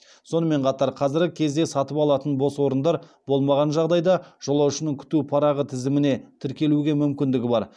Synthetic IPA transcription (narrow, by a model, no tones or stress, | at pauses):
so̞nəme̞ɴqʰɑt̪ɑɾqʰɑzɪɾɡʲɪkʲʰe̞zd̪e̞sɑt̪əpɑlˠɑt̪ənbo̞swo̞ɾənd̪ɑɾb̥o̞lˠmɑʁɑnʒɑʁd̪ɑjd̪ɑʒ̥olˠɑwʃɪnəŋkʲʰʏ̥t̪upʰɑɾɑʁət̪ʰɪzɪmɪne̞t̪ʰɪɾkʲe̞luɡʲe̞mʏmkʲɪnd̪ɪɡʲɪbɑɾ